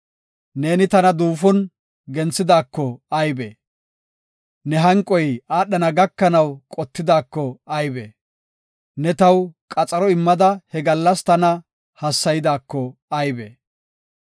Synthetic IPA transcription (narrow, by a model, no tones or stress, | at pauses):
ne̞ːnɪt̪ɐnɐd̪uːfɔn | ɡɛnt͡sːɪd̪aːkːɔɐjbḛ | nɛɦɐŋkʼɔjaːɗɐnɐɡɐkːɐnɐwkʼɔt̪ːɪd̪aːkːɔɐjbḛː | nɛt̪ɐwkʼɐt͡sʼɐɾɔɪmːɐd̪ɐhɛɡɐlːɐst̪ɐnɐ | hɐsːɐjɪd̪aːkːɔɐjbḛː